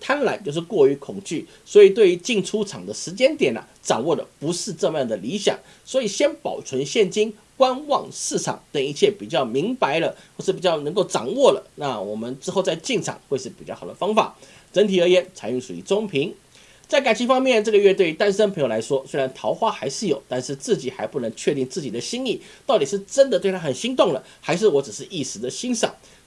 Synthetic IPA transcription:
t̪ʰa˥nla˧˥ɪt͡ɕjʊʂ̬ɻ̩˥˩kwɔ˥˩y˧˥kʰʊ˨˩ŋt͡ɕy˥˩ | swɔ˧˥i˨˩t̪we˥ɪy˧˥t͡ɕi˥˩ŋʈ͡ʂʰu˥ʈ͡ʂʰɑ˨˩ŋd̪ə˦ʂɻ̩˧˥t͡ɕjɛ˥nt̪jɛ˨˩nə̰˦ʈ͡ʂɑ̰˨˩ŋwɔ˥˩d̪ə̰˩pu˧˥ʂɻ̩˥˧ʈ͡ʂɤ˥˧mə˧jɑ˥˩ŋd̪ə˩li˧˥ɕjɑ̰˨˩˦ŋ | swɔ˧˥i˨˩ɕjɛ˥npɑ˨˩ʊt͡sʰwə˧˥nɕjɛ˥˩nt͡ɕi˥n | kwa˥nwɑ˥˧ŋʂɻ̩˥˩ʈ͡ʂʰɑ̰˨˩˦ŋt̪ə˨˩ŋi˧˩t͡ɕʰjɛ˥˩pi˨˩t͡ɕjɑ˥˩ʊmi˧˥ŋpa˧˥ɪlə˧xwɔ˥˧ʂɻ̩˥˩pi˨˩t͡ɕjɑ˥˩ʊnə˧˥ŋk̬o˥˩ʊʈ͡ʂɑ̰˨˩ŋwɔ˥˩lə̰˩na˥˩wɔ˨˩mə˦nʈ͡ʂɻ̩˥xo˥˧ʊt͡sa˥˧ɪt͡ɕi˥˩ŋʈ͡ʂʰɑ̰˨˩˦ŋxwe˥˧ɪʂɻ̩˥˩pi˨˩t͡ɕjxʊd̪ə̰˦fɑ˥ŋfa̰˨˩˦ | ʈ͡ʂə˧˥nt̪ʰi˨˩ə˞˧˥jɛ˧˥nt͡sʰa˨˥ɪy˥˩ʂṵ˨˩ḭ˥˩t͡sʊ˥ŋpʰi˧˥ŋ | t͡sa˥˩ɪka˨˩nt͡ɕʰi˧˥˩fɑ˥ŋmjɛ˥˧nʈ͡ʂɤ˥˩ɡə˧ɥɛ˥˧t̪we˥˩ɪy˧˥t̪a˥nʂə˥npʰŋjo˨˩a˧˥ɪʂwɔ˥swe˥ɪɻa˧˥nt̪ʰɑ˧˥ʊxwa˥xa˧˥ɪʂɻ̩˥˩jo˨˩ʊt̪a˥˧nʂɻ̩˥˧t͡sɹ̩˥˩t͡ɕi˨˩xa˧˥ɪpu˥˩nə˧˥ŋt͡ɕʰɥɛ˥˧t̪i˥˧ŋt͡sɹ̩˥˩t͡ɕi˨˩d̪ə˦ɕi˥ŋi˥˩t̪ɑ˥˩ʊt̪i˨˩ʂɻ̩˥˩ʈ͡ʂə˥nd̪ə˨t̪we˥˩ɪt̪ʰa˥xə˨˩nɕi˥ŋt̪ʊ˥˩ŋlə˩xa˧˥ɪʂ̬ɻ̩˥˩wɔ˧˥ʈ͡ʂ̩˨˩ʂɻ̩˥˧ʔi˥˩ʂɻ̩˧˥d̪ə˧ɕi˥nʂɑ̰˨˩˦ŋ

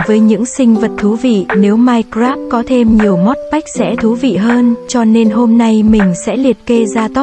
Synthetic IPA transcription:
vəː˨˦jɲɨ̰˧˥ŋsï˧ŋ̟və˨˩t̚t̪ʰːu˨˦vḭ˧˨ne˨˦wmaː˧jkzaː˦˥p̚kɔ˨˦t̪ʰe˧mɲi˨˩əwmɔ˦˥t̚ɓa˦˥jk̟̚sɛ̰˧˥t̪ʰu˨˦vḭ˧˨ɦəː˧nt͡ɕɔ˧ne˧nɦo˧mna˧jmï˨˩ŋ̟sɛ̰˧˥li˨˩ət̚ke˧zaː˧t̪o˦˥

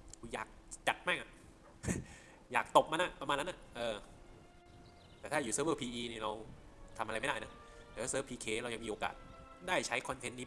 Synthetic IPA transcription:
ja̰ː˨˩k̚t͡ɕa˨˩t̪̚ma˥˩ŋʔa˨˩ʔ | jaː˨˩k̚t̪o˨˩p̚ma˧na˨˩pɾa˧mːaː˧nːa˦˥nʔa˨˩ʔɤː˧ | t̪ɛː˨˩t̪ʰaː˥˩juː˨˩sɤː˦˥bɤː˥˩pʰiː˧ʔiː˧niː˥˩ɾa˧w | t̪ʰa˧ma˧ɾa˧jma˥˩daː˥˩jna˦˥ | t̪ɛː˨˩˦sɤː˦˥˩pʰiː˧kʰeː˧˩ɾa˧wja˧ŋmiː˧oː˧ka̰ː˨˩t̪̚daː˥˩jt͡ɕʰa˦˥jkʰɔ˧nt̪ʰe˦nːiː˦˥

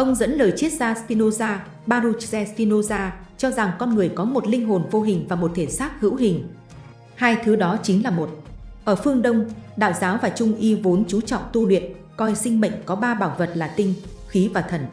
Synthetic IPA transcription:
ʔə˧wŋ͡mzə̰˧˥nləː˨˩jt͡ɕi˦˥ət̚zaː˧spi˧no˧zaː˧ | ɓaː˧ɾu˧t͡ɕzɛ˧spi˧no˧zaː˧t͡ɕɔ˧za˨˩ŋkɔ˧nŋɨ˨˩əjkɔ˨˦mo˨˩t̚lï˧ŋ̟ɦo˨˩nvo˧ɦï˨˩ŋ̟vaː˨˩mo˨˩t̚t̪ʰe˧˩saː˦˥k̚hɨ̰˧˥wɦï˨˩ŋ̟ | haː˧jt̪ʰɨ˨˦ɗɔ˨˦t͡ɕi˨˦ŋlaː˨˩mo˨˩t̚ʔəː˧˩fɨ˧əŋɗə˧wŋ͡mɗa̰ː˧˨wzaː˨˦wvaː˨˩t͡ɕʊ˧ŋ͡mʔi˧vo˨˦nt͡ɕu˨˦t͡ɕɔ̰˧˨wŋ͡mt̪u˧lwḭ˧˨ən | kɔ˧jsï˧ŋ̟mə̰˧˨ŋ̟kɔ˨˦ɓaː˧ɓaː˧˩wvə˨˩t̚laː˨˩t̪ï˧ŋ̟ | xi˨˦vaː˨˩t̪ʰə˨˧˩n

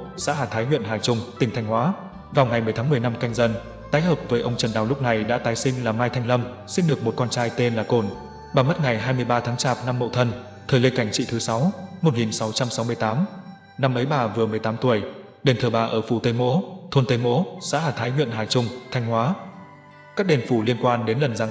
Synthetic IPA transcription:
sa̰ː˧˥ɦaː˨˩t̪ʰaː˨˦jŋwḭ˧˨ənɦaː˨˩jt͡ɕʊ˧ŋ͡mt̪ï˨˩ŋʰa˧jŋ̟hwaː˨˦ | vaː˨˩wŋa˨˩jmɨ˨˩əjt̪ʰaː˨˦mɨ˩əjna˧mka˧jŋ̟zə˧n | t̪aː˨˦jɦəː˨˩p̚vəː˨˦jʔə˧wŋ͡mt͡ɕə˨˩nɗa̰ː˨˩wlʊ˦˥k͡p̚na˨˩jɗa̰ː˧˥t̪aː˨˦jsï˧ŋ̟laː˨˩maː˧jt̪ʰa˧jŋ̟lə˧m | si˧nɗɨ˨˩ək̚mo˨˩t̚kɔː˧nt͡ɕaː˧jt̪e˧nlaː˨˩ko˧˩n | ɓaː˨˩mə˦˥t̚ŋa˨˩jɦaː˧jmɨ˧əjɓaː˧t̪ʰaː˨˦ŋt͡ɕaː˨˩p̚na˧mːo̰˧˨t̪ʰə˧n | t̪ʰəː˨˩jli˧ka˧˩ŋ̟t͡ɕḭ˧˨t̪ʰɨ˨˦sa˨˦wmo˨˩t̚ŋi˨˩nsa˨˦wt͡ɕa˧msa˨˦wmɨ˧əjt̪aː˨˦m | na˧mʔə˨˦jɓaː˨˩vɨ˨˩əmɨ˨˩əjt̪aː˨˦mt̪u˧˩əj | ɗe˨˩nt̪ʰəː˨˩ɓaː˨˩ʔəː˧˩fu˧˩t̪ə˧jmo̰˧˥t̪ʰo˧nt̪ə˧jmo̰˧˥sa̰ː˧˥laː˨˩t̪ʰaː˨˦jŋwḭ˧˨ənɦaː˨˩t͡ɕʊ˧ŋ͡mt̪ʰa˧jŋ̟ɦwaː˨˦ | kaː˦˥k̚ɗe˨˩nfu˧˩li˧ənkwaː˧nɗe˨˦nlə˨˩nza˨˦

